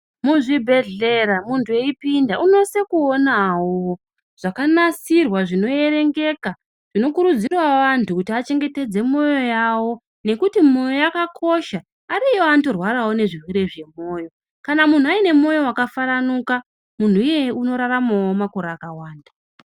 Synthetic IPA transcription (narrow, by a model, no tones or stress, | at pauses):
muʐibʱe̞ɮe̞ɾamuntʰue̞ipindaʔuno̞se̞kuonawo | ʐ̥akanasirwaʐino̞je̞re̞ŋɡe̞ka | ʐ̥ino̞kuɾud͡zirwaʋantʰukutiat͡ʃe̞ŋɡe̞te̞d͡ze̞mo̞jo̞jawo̞ | ne̞kutimo̞jojakakʰo̞ʃa | aɾijoanto̞rwaɾawo̞ne̞ʐirweɾe̞ʐe̞mo̞ːjo̞ | kanamun̤uaine̞mo̞jo̞wakafaɾanuka | mun̤uije̞uno̞ɾaramawomako̞ɾaːkawaːnda